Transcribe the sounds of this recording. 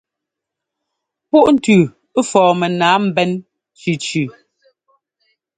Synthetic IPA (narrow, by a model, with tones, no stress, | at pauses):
pu˦˨ʔn̩˨tʉː˨˦ | fɔː˨mɛ˨naː˨˦m̩˦bɛ˦n | t͡ʃʉ˨t͡ʃʉ˨